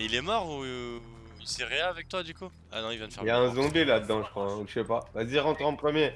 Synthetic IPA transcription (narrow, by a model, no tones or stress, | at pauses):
ilɛmɔʁu | iseʁeɛavɛk̚t̪wad̪yku | a̰nɔ̃ilvjɛ̃d̪fɛijaɛ̃zɔ̃belad̪əɑ̃ʒəkχwaɛ̃uʃʃɛpavaziʁɑ̃t̪χɑ̃pχəmje